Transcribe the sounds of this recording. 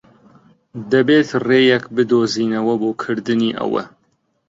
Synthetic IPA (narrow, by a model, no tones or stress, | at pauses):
d̪ɐbeːt̪reːjɛkbɨd̪oːziːnɐwɐboːkʰɨɾd̪ɨniːʔɐ̰wɐ̰